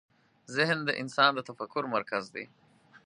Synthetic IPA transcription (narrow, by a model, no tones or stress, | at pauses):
zɪhnd̪əʔɪnsɑnd̪ət̪afakːʊɾmaɾkazd̪ḛ